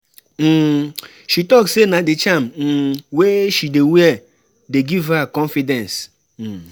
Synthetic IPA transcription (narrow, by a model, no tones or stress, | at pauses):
m̩ | ʃitɔksenadɪt͡ʃam̩m̩weʃidewɛ | deɡivakɔ̃nfidɛ̃ns | m̩